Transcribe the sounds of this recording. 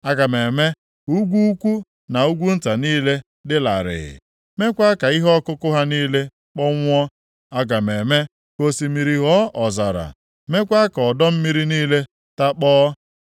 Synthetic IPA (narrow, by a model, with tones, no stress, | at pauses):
a˦ɡa˨me˨me˦ | u˦ɡʷu˦kʷu˦ | na˨u˦ɡʷu˦n̩˦ta˨niː˦le˦ | dɪ˦la̰˨ɾɪ̰˨ | me˦kʷa˦ka˨i˦ɦɔ˦kʊ˦kʊ˦ɦa˦niː˦le˦ | k͡pɔ˦ŋʷ˦ɔ˦ | a˦ɡa˨me˨me˦ | ko˦si˦mi˨ɾi˦ɦɔ˦ʔɔ˨za˨ɾa̰˨ | me˦kʷa˦kɔ˨dɔ˦m̩˦mi˦ɾi˦niː˦le˦ | ta˦k͡pɔː˦